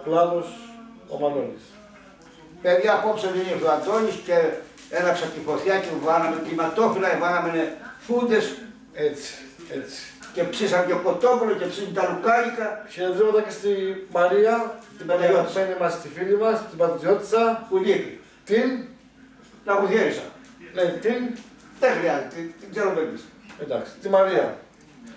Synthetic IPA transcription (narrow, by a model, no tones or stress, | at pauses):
plaðos | o̰mad̪onis | peðʝaːpopseðiɣexðoand̪onisce | enapsat̪ifoθjacivanameklimat̪ofilaevanamenefund̪es | et͡si̥ | et͡si̥cepsisant̪okot̪opulocepsint̪alukaɾikɐçeezomet̪ɐcest̪imɐɾiɐt̪imɐt̪menimɐst̪ifilimɐst̪ibɐt̪izot̪i̥t͡sɐpulix | t̪in | lɐpuçeɾisɐ̰ | ment̪in | ðexɾiɐzet̪et̪iɡzeɾomend̪isend̪ɐksi̥t̪imaɾiɐ̰